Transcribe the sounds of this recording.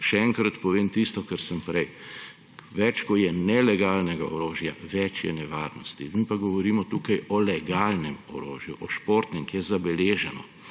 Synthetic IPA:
ʃɛɛŋkɾat̪pɔʋeːmt̪ist̪ɔkəɾsəmpɾɛj | ʋɛt͡ʃkɔjɛnɛlɛɡaːlnɛɡaɔɾoːʒjaʋɛt͡ʃjɛ̰nɛʋaɾnɔst̪imipaɡɔʋɔɾiːmɔt̪uːkajɔlɛɡaːlnɛmɔɾo̰ːʒjuʔɔʃpoːɾt̪nɛŋkjɛzabɛleːʒɛnɔ̰

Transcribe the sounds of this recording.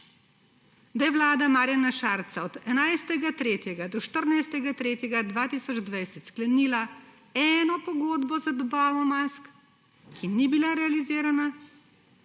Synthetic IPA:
d̪ajɛʋlaːd̪amaɾjanaʃaːɾt̪saɔd̪ɛnajst̪ɛɡat̪ɾeːt̪jɛɡad̪ɔʃt̪əɾnajst̪ɛɡat̪ɾeːt̪jɛɡad̪ʋaːt̪iːsɔd͡ʒd̪ʋajsɛt̪sklɛniːla | ɛːnɔpɔɡoːd̪bɔzad̪ɔbaːʋɔmask | kinibilaɾɛaliziːɾana

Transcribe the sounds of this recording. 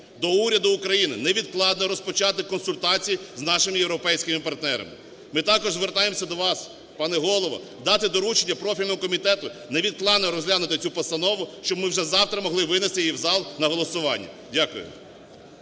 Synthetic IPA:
d̪ɔuɾʲɐd̪ʊːkɾɐjinɪnɛʋʲid̪klˠɑd̪nɔɾɔspɔt͡ʃɑt̪ɪkːɔnsʊlʲt̪ɑt͡sʲijiznɑʃɪmɪjewɾɔpɛjsʲkɪmɪpɐrt̪nɛɾɐ̰mɪ̰ | mɪt̪ɑkɔʒzʋert̪ɑjemsʲɐd̪ɔʋɑs | pɑnɛɦɔlˠɔʋɔ̰ | d̪ɑt̪ɪd̪ɔɾut͡ʃenʲːɐpɾɔfʲilʲnɔmɔkɔmʲit̪ɛt̪ʊnɛʋʲid̪̚klˠɑd̪nɛɔɾɔzʲlʲadnʊt̪ɪt͡sʲupɔst̪ɐnɔʋʊʃt͡ʃɔbmɪwʒɛzɑwt̪ɾɐmɔɦlˠɪʋɪnɪst̪ɪjiwzɑlˠnɐɦɔlˠɔsʊʋɑnʲːɐ̰ | dʲakʊjʊ̰

